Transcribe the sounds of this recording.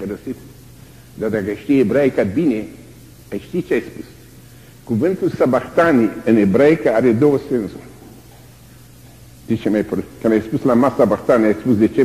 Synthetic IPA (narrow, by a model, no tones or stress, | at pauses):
pɾɐsit̪ | d̪ad̪aɡajʃt̪iebɾajkad̪̚bine | ajʃt̪it͡ʃajspus | ɡ̥uvẽnt̪usabakt̪aniənebɾajkaaɾed̪osensu | d̪̥it͡ʃemajpɾkanajspuslamasabakt̪aniajspusd̪et͡ʃe